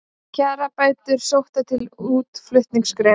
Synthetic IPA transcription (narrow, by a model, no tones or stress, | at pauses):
cʰaːɾapaːɥt̪ʏɾ̥sowht̪at̪ʰɪluːt̪flʏht̪niŋskɾɛː